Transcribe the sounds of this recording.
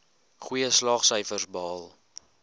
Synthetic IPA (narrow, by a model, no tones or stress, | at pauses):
χujəslɑːχsœjfərsbːlˠ